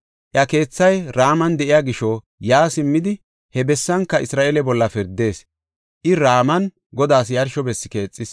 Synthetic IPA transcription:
ʔjɐke̞ːt͡sːɐjɾaːmɐnd̪ɛʔɪjaɡɪʃɔ | jaːsɪmːɪd̪ɪ | hɛbɛsːɐŋkːɐʔɪsɾaːʔelɛbɔlːɐfɪɾd̪e̞ːs | ʔɪɾaːmɐn | ɡɔd̪aːsjɐɾʃɔbɛsːɪke̞ːt͡sʼːɪs

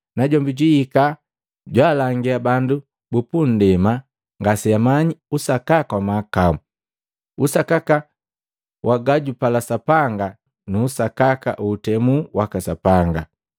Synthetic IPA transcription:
naɟɔmbiɟihika | ɟwaːlaŋɡiabandu | bupun̩dɛma | ŋɡasiamaɲiusakakawamakamu | usakaka | wʔaɡaɟupalasapaŋɡa | nuːsakaka̰ʔuːtɛmuwakasapaŋɡa

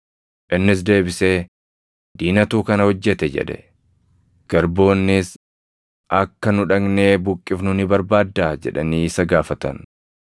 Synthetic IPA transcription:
ʔɪnːɪs̬d̪e̞ːbɪseː | d̪̥iːnɐt̪uːkɐnɐhɔd͡ʒːɛt̪ɛd͡ʒɛ̰ᶑɛ̰ | ɡ̥ɐɾbo̞ːnːɪs | ʔɐkːɐnʊᶑɐɡne̞ːbʊkʼːɪfnʊnɪbɐɾbaːd̪ːaːd͡ʒɛ̰ᶑɐniːɪsɐɡaːfɐt̪ɐ̰n

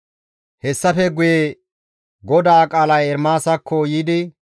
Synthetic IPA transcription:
hɛsːɐfɛɡʊje | ɡɔd̪aːkʼaːlɐjɛɾmaːsɐkʰːɔjiːd̪ɪ

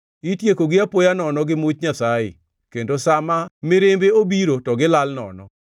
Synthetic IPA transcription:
itjekoɡɪapojanɔnɔɡɪmut͡ʃɲasajɪ̰ | kendosamamɪɾɪmbeobiɾotɔɡɪlalnɔ̰nɔ̰

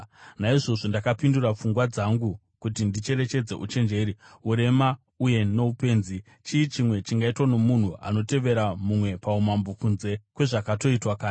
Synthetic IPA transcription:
naiʐo̞ʐo̞ndakapindurap͡fuŋɡwad͡zaŋɡu | kutindit͡ʃe̞ɾe̞t͡ʃe̞d͡ze̞̰ʔut͡ʃe̞nd͡ʒe̞ːɾiuɾe̞ma | uje̞no̞upe̞ːnzi | t͡ʃiːt͡ʃimwe̞t͡ʃiŋɡaitwano̞mun̤uʔa̰no̞te̞ʋe̞ɾamumwe̞paumambukunze̞kwe̞ʐakato̞itwakaː

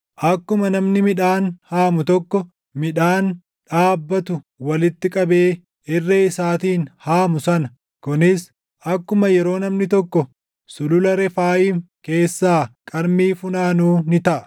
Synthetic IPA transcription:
ʔɐkːʊmɐnɐmnɪmɪᶑaːnhaːmʊt̪ɔkːɔ | mɪᶑaːn | ᶑaːbːɐt̪ʊ | wɐlɪt̪ːɪkʼɐbe̞ː | ɪrːɐɪsaːt̪iːnhaːmʊsɐnɐ | kʊnɪs | ʔɐkːʊmɐjɛɾo̞ːnɐmnɪt̪ɔkːɔ | sʊlʊlɐɾɛfaːjiːŋ | ke̞ːsːaːkʼɐɾmiːfʊnaːnuːnɪt̪ɐʔɐ̥

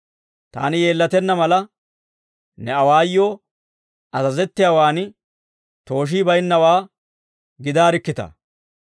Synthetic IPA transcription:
t̪a̰ːnɪje̞ːlːɐt̪ɛnːɐmɐlɐ | nɛɐwaːjːoː | ɐzɐzɛt̪ːɪjaːwaːnɪ | t̪o̞ːʃ̬iːbɐjɪnːɐwaː | ɡɪd̪aːɾɪkːɪt̪ɐ̰

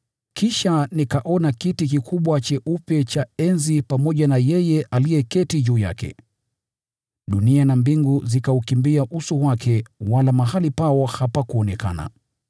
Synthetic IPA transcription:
kiʃanikaʔɔnakitik̬ikʰuɓwat͡ʃɛʔupɛt͡ʃaɛnzipamɔʄanajɛjɛʔalijɛkɛtiʄuːja̰kɛ̰ | ɗunianambiŋɡuzikaukimbiaʔusuwakʰɛwalamaɦalipaɔhapakuɔnɛka̰na̰

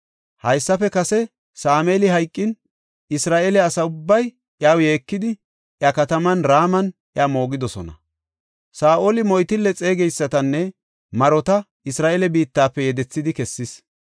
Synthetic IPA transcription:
hɐjsːɐfɛkɐsɛ | saːmeːlɪɦɐjkʼːɪn | ɪsɾaːʔɛlɛɐsɐʊbːɐj | ʔɪaːwje̞ːkːɪd̪ɪ | ʔjɐkɐt̪ɐmɐnɾaːmɐnʔjamo̞ːɡɪd̪ɔsɔ̰nɐ̰ | saːʔolɪmɔjt̪ɪlːɛt͡sʼe̞ːɡɛjsːɐt̪ɐnːɛ | mɐɾɔt̪ɐ | ɪsɾaːʔelɛbiːt̪ːaːpːɛjɛd̪ɛt͡sːɪd̪ɪkɛsːɪs

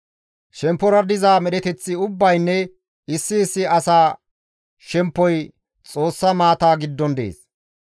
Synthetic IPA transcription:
ʃɛmpːɔɾɐd̪ɪzaːmɛɗɛt̪ɛt͡sːɪʊbːɐjnːɛ | ɪsːɪːsːɪɐsaː | ʃɛmpːɔj | t͡sʼo̞ːsːɐmaːt̪aːɡɪd̪ːɔnd̪ḛːs

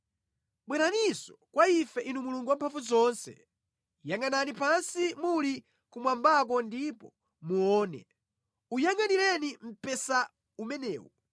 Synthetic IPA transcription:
ɓwɛnanisɔkwaifɛʔinumuluŋɡuwampʰaɱfuzɔnsɛ̰ | jaŋananipansimuli | kumwambak̬ɔndipɔ | muɔːnɛ̰ | ujaŋanilɛnim̩pɛsa | umɛnɛ̰ːwɔ

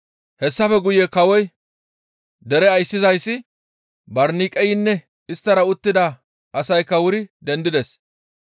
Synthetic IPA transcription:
hɛsːɐfɛɡʊjekɐwɔj | d̪ɛɾɛɐjsːɪzɐjsːɪ | bɐɾniːkʼɛjɪnːɛ | ɪst̪ːɐɾɐʊt̪ːɪd̪ɐ | ʔɐsɐjkːɐwʊɾɪd̪ɛnd̪ɪd̪ɛs

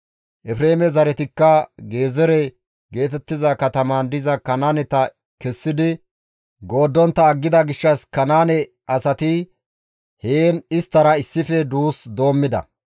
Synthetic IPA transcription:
ʔɛfɾe̞ːmɛzɐɾɛt̪ɪkːɐɡe̞ːzɛɾɛ | ɡe̞ːt̪ɛt̪ːɪzɐkɐt̪ɐmand̪ɪzɐkɐnaːnɛt̪ɐ | kɛsːɪd̪ɪ | ɡo̞ːd̪ːɔnt̪ːɐːɡːɪd̪ɐɡɪʃːɐskɐnaːnɛ | ʔɐsɐt̪ɪ | heːnɪst̪ːɐɾɐɪsːɪfɛd̪uːsd̪o̞ːmːɪd̪ɐ̰

